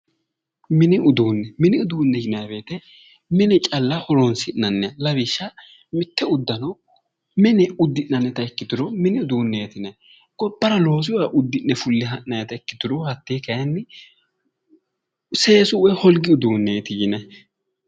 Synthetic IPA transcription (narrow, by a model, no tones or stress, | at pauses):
mɪnɪʊd̪uːnːɛmɪnɪʊd̪uːnːɛjɪnabe̞ːt̪ɛ | mɪnɪt͡ʃʼɐlːɐhɔɾonsɪnːɐnːɛɐlɐβɪʃːɐ | mɪt̪ːɛʊd̪ːɐnɔ | mɪnɛʊd̪ːɪnːɐnːɛt̪ɐɛkːɪd̪ʊɾɔmɪnɪʊd̪uːnːeːt̪ɪnɛ | ɡ̥ɔbːɐɾɐlo̞ːs̬ɪwɔɐʔʊd̪ːɪnːɛfʊlːɪɦɐnːɐjɐt̪ɐɛkːɪ̥t̪ʊɾɔhɐt̪ːeːkɐjɐnːɪ | se̞ːsʊɛhɔlɡɪʊd̪uːnːeːt̪ɪjɪnɛ